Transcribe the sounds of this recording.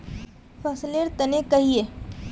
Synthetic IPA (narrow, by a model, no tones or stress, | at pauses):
fʰɐsleɾt̪ɐnekɐɦieː